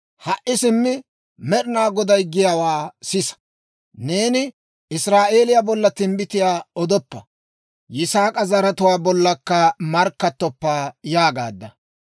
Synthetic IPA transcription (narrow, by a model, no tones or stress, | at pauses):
hɐʔɪsɪmːɪ | mɛɾɪnaːɡɔd̪ɐjɡɪjawaːsɪsɐ̥ | ne̞ːnɪ | ɪsɾaːʔe̞ːlɪjabɔlːɐt̪ɪmbɪt̪ɪjaːɔd̪ɔpːɐ̰ | jɪsaːkʼɐzɐɾɐt̪ʊwaːbɔlːɐkːɐmɐɾkːɐt̪ːɔpːaːjaːɡa̰ːd̪ːɐ̰